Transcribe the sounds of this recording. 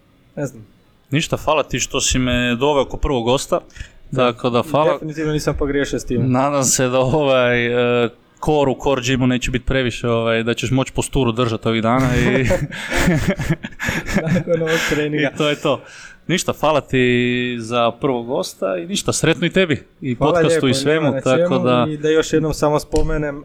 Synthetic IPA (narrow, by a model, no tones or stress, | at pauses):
neznam | niʃt̪afaːlˠat̪iʃt̪o̞simed̪o̞ʋeookopr̩ʋoɡɡo̞ːst̪at̪akʰod̪afaːlˠeafinit̪iːʋnoniːsampoɡɾjeʃiost̪iːmnaːd̪amse̞d̪aoʋajə | kʰoɾukʰo̞ɾd͡ʒimuneːt͡ɕebit̪̚pɾe̞ʋiʃeoʋajd̪at͡ɕeʃmo̞t͡ɕpost̪uːɾud̪r̩ʒat̪o̞ʋid̪aːnai | noʋoɡ̪ɾeniit̪ojet̪o̞ː | niʃt̪afaːlat̪izapr̩ʋoɡo̞st̪ainiʃt̪asɾe̞t̪noit̪e̞bi | ipokasuiʋemut̪akod̪ad̪ajoʃjed̪nomsamospomenem